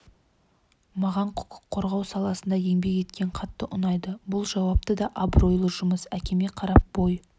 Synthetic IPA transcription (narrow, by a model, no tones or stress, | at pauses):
mɑʁɑɴqʰʊ̥qə̥qʰːo̞ɾʁɑwsɑlˠɑsənd̪ɑje̞ŋbe̞ke̞t̪kʲe̞ɴqʰɑt̪ːəʔʊnɑjd̪əbʊlˠʒɑwɑp̚t̪əd̪ɑʔabro̞jlˠəʒʊməsækʲe̞meqʰɑɾɑp̚b̥oj